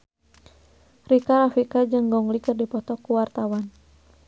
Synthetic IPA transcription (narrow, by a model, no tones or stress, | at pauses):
rikaɾafikad͡ʒɨŋɡɔŋlikɨrdipɔt̪ɔkuwart̪awan